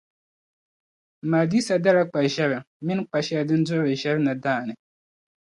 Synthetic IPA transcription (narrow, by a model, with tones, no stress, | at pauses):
m̩˨maː˨di˦sa˨da˦la˦k͡pa˨ʒɛ˦βɛ˨ | mɪ˦n˦k͡pa˨ʃɛ˦a˨dɨ˦n˦dʊ˦bɨ˨ʒɛ˦bna˨daː˦˨nɨ˨